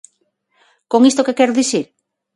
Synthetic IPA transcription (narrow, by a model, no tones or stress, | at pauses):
koŋist̪okekɛɾoðiθiɾ